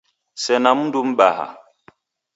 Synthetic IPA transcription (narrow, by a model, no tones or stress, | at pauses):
sɛnamundum̩ɓaha̰